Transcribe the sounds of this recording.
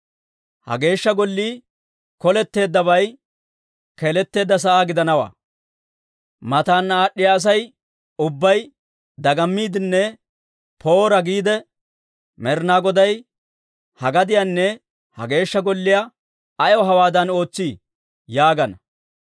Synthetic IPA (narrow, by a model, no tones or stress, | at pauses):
hɐ̰ɡe̞ːʃːɐɡɔlːiː | kɔlɛt̪ːe̞ːd̪ːɐβɐj | kelɛt̪ːe̞ːd̪ːɐs̬ɐʔaːɡɪd̪ɐnɐwa̰ː | mɐt̪aːnːaːɗːɪjaːs̬ɐj | ʊbːɐj | d̪ɐɡɐmːiːd̪ɪnːɛ | pʰo̞ːɾɐɡiːd̪ɛ | mɛɾnaːɡɔd̪ɐj | hɐɡɐd̪ɪjanːɛ | hɐ̰ɡe̞ːʃːɐɡɔlːɪjɐ | ɐjɔɦɐwaːd̪ɐno̞ːt͡sːiː | jaːɡɐnɐ